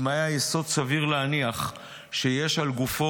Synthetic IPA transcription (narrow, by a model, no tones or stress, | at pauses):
maeajeso̞dsaviʁleaniaχ | ʃejeʃalɡufo